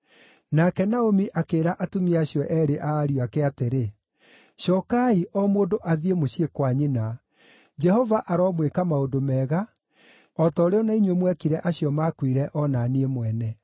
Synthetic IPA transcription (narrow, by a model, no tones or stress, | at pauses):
nakɛnaomiʔakeːɾaʔatumiaɕiɔʔɛɾeʔaːɾiakɛateɾe | ʃɔkaiʔɔmoːdoʔaðiemoɕiekwaɲena | d͡ʒɛhɔvaʔaɾɔmwekamaodomɛːɣa | ɔtɔːɾeɔnaiɲwemwɛkiɾɛʔaɕiɔmakwiɾɛʔɔnaniemwɛnɛ